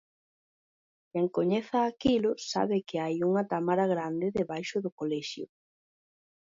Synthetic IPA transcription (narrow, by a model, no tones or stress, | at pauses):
kɛŋkoɲɛθaːkilʊsa̰βɪkɪajuŋɐt̪amaɾaɣɾand̪ɪðeβajʃʊðʊkolɛʃjʊ̰